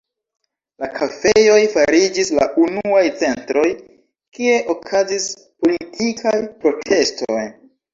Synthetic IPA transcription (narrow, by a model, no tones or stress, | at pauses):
lakʰafejo̞jfaɾid͡ʒisla̰ʔunuajt͡se̞ntɾo̞j | kie̞ʔo̞kʰazis | po̞litʰikʰajpɾo̞tʰe̞sto̰j